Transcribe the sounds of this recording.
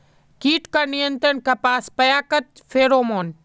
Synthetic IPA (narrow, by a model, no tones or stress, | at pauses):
kiːʈkanijə̃nt̪ənkaːpaːspɐjaːkət̪̚ | feːɾoːmoːn